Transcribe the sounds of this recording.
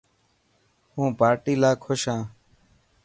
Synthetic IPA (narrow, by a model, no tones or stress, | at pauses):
hũːpaːɾʈiːlaːkʰʊʃãː